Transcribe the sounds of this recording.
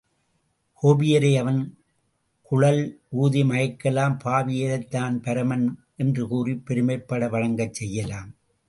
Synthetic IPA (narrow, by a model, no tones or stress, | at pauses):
koːbɪjɐɾɐɪɐʋɐn | kʊɻɐluːðimɐjɐkːɐlaːmpaːʋɪjɐɾɐɪt̪ːaːnpɐɾɐmɐn | ʔɛndrɯkuːripːɛɾɯmɐɪpːɐɽɐʋɐɻɐŋɡɐt͡ʃsɛjːɐlaːm